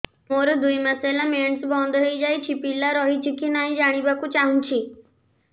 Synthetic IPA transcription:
moːɾd̪ʊiməseːlameːɳsbɔ̃ːnd̪ɦeid͡ʒaːit͡ʃʰipilaɾɔːɦit͡ʃʰikʰinaːɦĩd͡ʒaːɽ̃ibakut͡ʃaːɦunt͡ʃʰiː

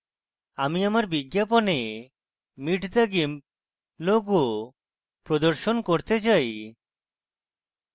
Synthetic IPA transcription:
amiamaɾbiɡjapɔne | miʈʰd̪aɡim | loɡo | pɾɔd̪ɔɾʃonkoɾt̪et͡ʃaj

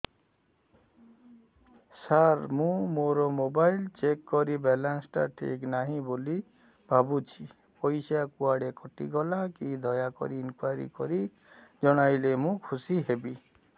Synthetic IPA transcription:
saɾmũmoɾɔmobajlt͡ʃekːɔɾibɛlansʈa̰ʈʰḭknaɦĩboli | bʱabut͡ʃʰi | pɔjsakuaɽekɔʈḭɡɔlakid̪ʱɔjakɔ̰ɾiːnkwajɾḭkɔɾi | d͡ʒɔɽ̃ajlemũkʰusiɦebi

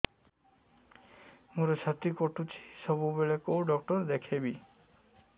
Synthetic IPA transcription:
muɾot͡ʃʰat̪ɾikɔʈut͡ʃʰi̥sɔbubeɭekowɖɔk̚ʈɔɾd̪ekʰebi

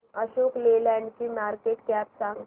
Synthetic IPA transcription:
əɕoklelɛ̃ɳɖkimaɾkeʈkæpsã

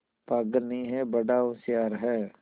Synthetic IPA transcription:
paɡnĩːɦɛːbəɖaːʊsɪjaːɾɦɛː

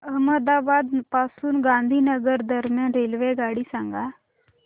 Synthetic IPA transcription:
əɦməd̪abad̪pasuːnɡãnd̪ʱiːnəɡəɾd̪əɾmjanɾelʋeɡaɽiːsãŋɡa

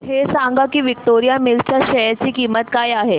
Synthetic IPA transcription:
hesãŋɡakiːʋik̚ʈ̪oɾijamilt͡ɕjaɕəjat͡ɕiːkiːmət̪kajaɦe

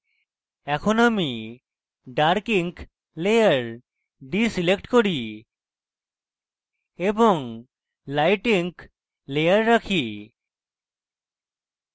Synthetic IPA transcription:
ɛkʰonami | ɖaɾkiŋk | lejaɾ | ɖisilekʈkoɾi | eboŋ | lajʈiŋk | lejaɾːakʰi

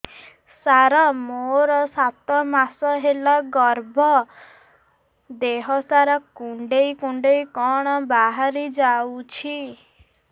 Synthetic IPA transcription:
saɾɔmoɾɔsat̪ɔmasɔɦelaɡɔɾbʱɔ | d̪eɦɔsaɾɔkuɳɖejkuɳɖejkɔɽ̃ɔbaɦaɾid͡ʒawt͡ʃʰi

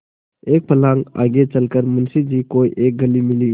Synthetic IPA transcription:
ek̚pʰəlaŋa̰ɡet͡ʃəlkəɾmənsid͡ʒikojʔek̚ɡəlimili

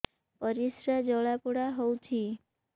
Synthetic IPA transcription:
pəɾisɾad͡ʒɔɭapuɽaɦowt͡ʃʰi

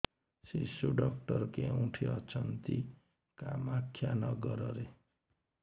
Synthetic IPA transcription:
sisuɖɔk̚ʈʌrkeũʈʰiʌt͡sʰʌnt̪i | kamakʰːjanʌɡʌɾʌɾe

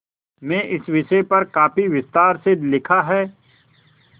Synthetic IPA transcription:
mɛ̃ːʔɪsʋɪʃɛpɐɾkaːpiʋɪst̪aːɾselɪkʰaɦɛː

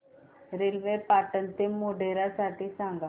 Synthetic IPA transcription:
ɾelʋepaʈənt̪emːoɖeɾasaʈʰiːsãŋɡa

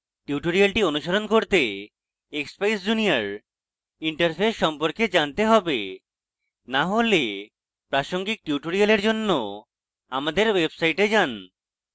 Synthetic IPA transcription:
ʈjuʈoɾialʈionuʃaɾonkoɾt̪e | ekspajsd͡ʑunijaɾ | iɳʈaɾpʰesʃʃɔmpoɾked͡ʑant̪eɦɔbe | naɦole | pɾaʃoŋɡik̚ʈjuʈoɾialeɾd͡ʑonːo | amad̪eɾwebsajʈed͡ʑan

